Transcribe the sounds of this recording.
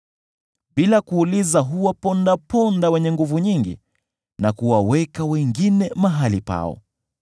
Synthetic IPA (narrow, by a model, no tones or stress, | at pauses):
ɓilakuːlizaɦuwapɔndapɔndawɛɲɛŋɡuvuɲiŋɡḭ | nakuwawɛkawɛŋɡinɛmaɦalipa̰ɔ̰